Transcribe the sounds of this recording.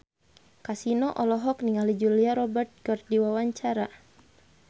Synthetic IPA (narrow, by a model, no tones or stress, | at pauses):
kasinɔʔɔlɔɦɔkniŋalid͡ʒuliaɾɔbɛrt̪̚ɡɔrdiwawaɲt͡ʃaɾa